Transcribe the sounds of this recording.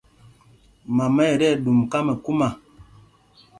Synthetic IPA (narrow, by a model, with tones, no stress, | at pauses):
ma˨mɛ˦˨ɾɛ˦˨ɗu˨mka˦mə˨ku˦ma˨